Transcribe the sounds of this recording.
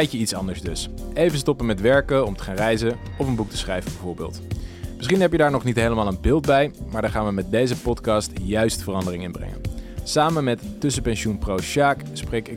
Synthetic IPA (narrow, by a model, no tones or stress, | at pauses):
ɛjkəitsɑndəɹzdɵsejvənstɔpənmɛtʋɛɹkəɔmtə̥χaːnrɛjzəɔfənbuk̚tə̥sχrɛjvəbɛvʊːɹbɪ̰ːlˠtmɪsχinɦɛpjədaːɹnɔχnitɦejləmaːlˠənbɪːlˠd̚bɛjmaːɹdɑχaːnʋəmɛt̚dejzəpɔtkɑːstjœɥstfərɑndərɪŋɪnbrɛ̰ŋə̰nsaːmənmɛttːɵs̬əpɛnʃunprowʃaːk | sprejkɪ